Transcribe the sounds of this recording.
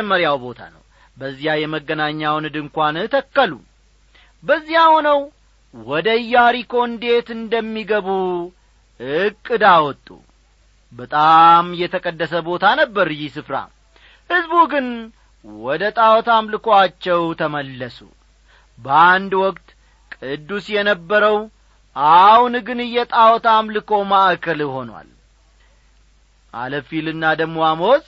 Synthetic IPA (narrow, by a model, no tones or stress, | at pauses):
mːəɾjawbo̞t̪ʰa̰nə̰w | bəzːijajɛməɡːənaɲːawnɨd̪ɨŋkʷant̪ʰəkːəlṵ | bəzːijahonəw | wɔd̪əjːaɾiko̞nd̪e̞t̪ɨnd̪əmːiɡəβu | ɨkʼːɨd̪awɔt̪ʼːṵ | bət̪ʼamjɛt̪ʰəkʼəd̪ːəsəbo̞t̪ʰanəbːəɾjisɨfɾa̰ | hɨzbuɡɨn | wɔd̪ət̪ʼawɔt̪ʰamlɨkʰoat͡ʃːɛwt̪ʰəməlːəsṵ | bəand̪wɔkʼt̪ | kʼɨd̪ːusjɛnəbːəɾəw | ʔahunɡɨnɨjːɛt̪ʼawɔt̪amlɨkʰo̞maʔkʰəlɦo̞nwa̰l | ʔa̰ləfilɨnːad̪əmoamoz